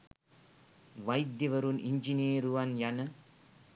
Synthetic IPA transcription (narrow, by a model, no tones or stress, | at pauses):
ʋɐjd̪jɐʋɐɾunʔiɲd͡ʒineːɾuʋɐnjɐnɐ